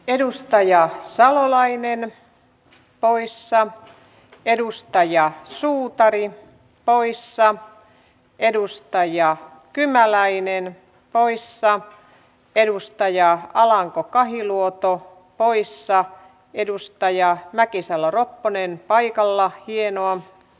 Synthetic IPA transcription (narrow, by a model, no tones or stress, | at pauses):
edust̪ɑjɑsɑlolɑinen | poisːɑ | edust̪ɑjɑsuːt̪ɑri | poisːɑ | ʔedust̪ɑjɑ | kymælæinen | poisːɑ | edust̪ɑjɑɑlɑŋkokɑhiluot̪o | poisːɑ | edust̪ɑjɑmækisɑloropːonenpɑikɑlːɑhienoɑ